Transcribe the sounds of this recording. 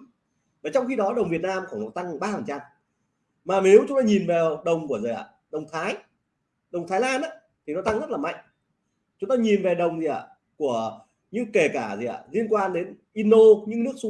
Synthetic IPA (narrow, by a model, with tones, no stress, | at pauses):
vaː˨˩t͡ɕɔ˧wŋ͡mxi˧ɗɔ˨˦ɗə˨˩wŋ͡mvi˨˩ət̚naː˧mxɔ˧˩no˨˩t̪a˧ŋ˨˩ɓaː˧fə˨˩nt͡ɕa˧m | maː˨˩me˨˦wt͡ɕʊ˨˦ŋ͡mt̪aː˧ɲi˨˩nvɛ˨˩ɗə˨˩wŋ͡mku˧˩əzə˨˩˨ʔa̰˧˩ | ɗə˨˩wŋ͡mt̪ʰaː˨˦j | ɗə˨˩wŋ͡mt̪ʰa˨˦jlaː˧nʔaː˨˦˥ | t̪ʰi˨˩nɔ˨˦t̪a˧ŋzə˦˥t̚laː˨˩ma̰˧˨jŋ̟ | t͡ɕʊ˨˦ŋ͡mt̪aː˧ɲi˨˩nvɛ˨˩ɗə˨˩wŋ͡mzi˨˩ʔa̰˧˩ | ku˧˩ə | ɲɨ̰˧˥ŋke˨˩kaː˧˩zi˨a̰˧˨˩zi˧ənkwaː˧nɗe˨˦nʔi˧nɗo˧ɲɨ̰˧˥ŋnɨ˦˥ək̚su˧˦